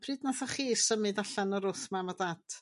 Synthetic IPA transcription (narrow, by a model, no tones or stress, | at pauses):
pʰrɨːdnaθɔχiːsəmɨdaɬanɔɾʊθmamadad̥